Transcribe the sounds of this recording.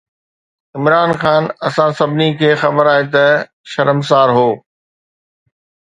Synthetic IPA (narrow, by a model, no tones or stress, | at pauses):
ɪmɾaːnxaːnɐsãsɐbʱɪnikʰeːxɐbəɾaːɦet̪ɐ | ʃɐɾəms̬aːɾɦoː